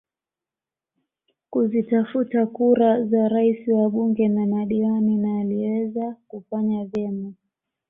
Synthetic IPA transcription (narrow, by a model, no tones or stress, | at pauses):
kuzitafutakuɾazaɾaisiwaɓuŋɡɛnamaɗiwaninaːliwɛzakufaɲavjɛma